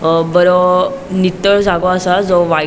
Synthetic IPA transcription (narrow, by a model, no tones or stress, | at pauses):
bəɾonit̪ːəɭd͡zʱaɡoasad͡zɔʋa